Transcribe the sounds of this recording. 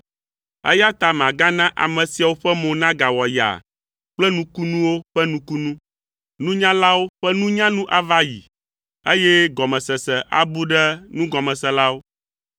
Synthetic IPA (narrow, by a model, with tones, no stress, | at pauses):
ɛ̰˦ja˦t̪a˨mã˨ɡa˦nã˦ʔa̰˨mɛ̃˨si˨a˨wo˦ɸɛ˦mõ˨nã˦ɡa˨wɔ˨ja̰˨ | k͡plɛ˦nũ˦ku˦nũ˦wo˦ɸɛ˦nũ˦ku˦nũ˦ | nũ˦ɲã˦la˦wo˦ɸɛ˦nũ˦ɲã˦nũ˦ʔa˦va˦jḭ˨ | e˦jɛ˦ɡɔ˨mɛ̃˨sɛ˨sɛ˨ʔa̰˨bu˦ɖɛ˦nũ˦ɡɔ˨mɛ̃˨sɛ˨la˦wo˦